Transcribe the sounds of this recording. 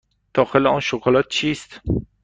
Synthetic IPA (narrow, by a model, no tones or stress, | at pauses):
d̪̥ɒːxeleɒnʃokʰolɒːt̪̚t͡ʃʰiːst̪